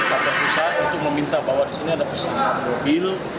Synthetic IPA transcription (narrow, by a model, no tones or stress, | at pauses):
pakapusaat̪unt̪ʊk̚məmint̪abawadisiniadapəsaat̪̚mobil